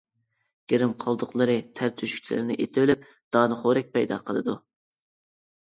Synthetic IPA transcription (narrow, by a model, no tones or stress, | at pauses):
ɡ̥ʲeɾɪmqʰɑlˠd̪ʊqlˠɨɾɨt̪ʰæɾt̪ʰyʃyk̚ʲt͡ʃʰilɪ̰ɾɪnɪʔet̪ʰɪvlyp̚ | d̪̥ɑːnɨχoɾɛk̚ʲpʰɛjd̪ɑ̰qʰəlˠɨd̪u